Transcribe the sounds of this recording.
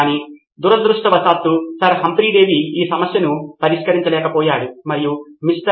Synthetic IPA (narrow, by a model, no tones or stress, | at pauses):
ni | d̪uɾɐd̪ɾuʂʈɐʋɐsaːt̪ːusɐɾɦɐmpɾiːɖeːʋiiːsɐmɐsjɐnupɐɾiʂkɐɾiɲt͡ʃɐlɛːkɐpɔːjaːɽumɐɾijumiʂʈɐ